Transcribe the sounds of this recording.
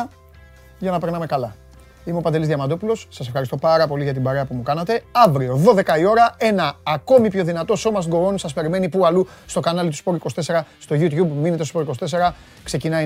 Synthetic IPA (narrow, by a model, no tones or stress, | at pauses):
ʝɐnɐpe̞ɾnɐme̞kɐlɐ | imeopɐnd̪e̞lizðjɐmɐd̪o̞pulo̞ssɐsefxɐɾist̪o̞pɐɾɐpo̞liʝɐt̪ibɐɾe̞ɐpumukɐnɐt̪e̞ɐvɾio̞ðo̞ðe̞kɐio̞ɾɐe̞nɐːko̞mipço̞ðinɐt̪o̞so̞mɐs̬t̪ɡo̞onsɐspe̞ɾime̞nipuɐlu | st̪o̞kɐnɐlit̪u̥spo̞ɾikost̪e̞se̞ɾɐst̪o̞ʝut̪çubminet̪espoɾiko̞st̪̞se̞ɾɐ | kse̞cinɐ